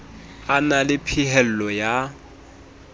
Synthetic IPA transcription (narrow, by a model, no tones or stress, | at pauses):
analɪpʰihɛl̩lɔja